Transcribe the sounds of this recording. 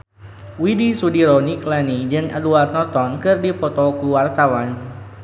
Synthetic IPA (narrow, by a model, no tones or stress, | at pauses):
widisudiɾɔniklanid͡ʒɨŋə̰luart̪nɔrt̪ɔnkɨrdipɔt̪ɔkuwart̪awan